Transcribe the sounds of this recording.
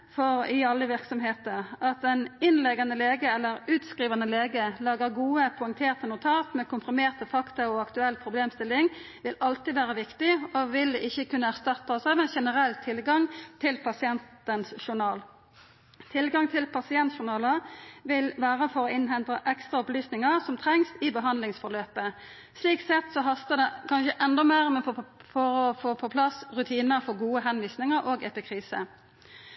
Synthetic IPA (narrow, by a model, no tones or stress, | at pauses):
fɔʁɪɑlːəʋɪʁksɔmɦeːt̪əʁɑt̪ɛnɪnlɛɡɑnəleːɡəɛlːəʁʉːt̪skʁiːʋɑnəleːɡəlɑːɡəʁɡuːəpʰʊɛŋt̪ʰeːʁt̪ənʊt̪ʰɑːt̪mɛːkʊmpʰɾɪmeːʁt̪əfɑkt̪ɑɔɑkt̪ʉɛlːpʰʁʊbleːmst̪ɪlːɪŋ | ʋɪlɑlt̪ɪʋæːʁəʋɪkt̪ɪoʋɪlɪçːəkʰʉnːəæʁst̪ɑt̪ːɑɔsɑːʋɛnʃɛnəʁɛlːt̪ʰɪlɡɑŋt̪ʰɪlpʰɑsɪɛnt̪ənsʃʊɳɑːl | t̪ʰɪlɡɑŋt̪ʰɪlpʰɑsɪɛnt̪ʃʊɳɑːləʋɪlʋæːɾəfɔɾɔɪnɦɛnt̪əʔɛkst̪ʁɑʊplyːsnɪŋəsɔmt̪ʰʁɛŋsɪbəɦɑnd̪lɪŋsfɔɾløːpə | sliːk̚t̪sɛt̪ːsɔɦɑst̪əd̪ɛkʰɑnʃəʔɛnd̪ɔmeːʁmɛnfɔɾɔfoːpʰɔpʰlɑsʁʉt̪ʰiːnəfɔɡuːəɦɛnʋiːsnɪŋəɾʔoːɡɛpɪkʰʁiːsə̰